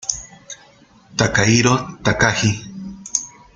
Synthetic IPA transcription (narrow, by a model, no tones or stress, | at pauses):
t̪akaiɾot̪akahi